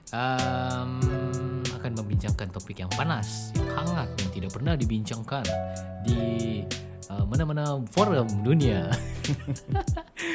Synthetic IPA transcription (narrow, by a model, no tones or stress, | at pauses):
ʔəm | akanməmbiɲt͡ʃaŋkant̪opɪkjaŋpanaskʰaŋat̪̚naŋt̪idaʔ̚pərnahdibiɲt͡ʃaŋkandi | əmanamanafoɾəmdunia